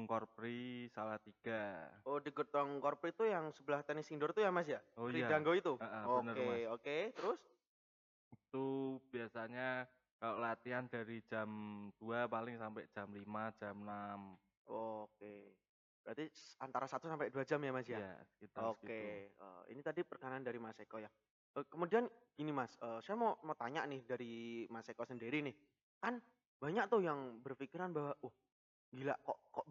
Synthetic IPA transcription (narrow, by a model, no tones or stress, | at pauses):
ŋkɔrpɾisalaht̪iɡ̥aodiɡət̪ɔŋkɔrpɾit̪ujaŋsəblaht̪ɛnɪsindɔrt̪ujamas̬ijaojɾidaŋɡoit̪uəʔəoənəreoket̪əɾʊs | it̪ub̥iasaɲa | kaloʔlat̪iandaɾid͡ʒamd̥uapalɪŋsampɛʔd͡ʒ̥amlimad͡ʒamnam | ok̚e | bəɾat̪isant̪aɾasat̪usampɛʔduad͡ʒamjamasjaa̰sə̥kit̪aokeə̰ːḭnit̪adipərkanaandaɾimasekɔja | ʔəkəmudianɡ̥inimasəːsajamomat̪aɲa̰ʔnɪhdaɾimasekɔsəndiɾinɪh | kan | b̥aɲak̚t̪ʊhjaŋbərfikiɾanbawaʊh | ŋɡila̰ʔkɔʔkɔʔ